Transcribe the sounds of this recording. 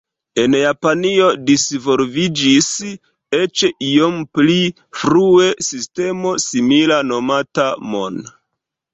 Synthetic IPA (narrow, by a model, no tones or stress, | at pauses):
e̞njapanio̞disvo̞lvid͡ʒis | e̞t͡ʃio̞mpli | fɾue̞siste̞mo̞similano̞matamon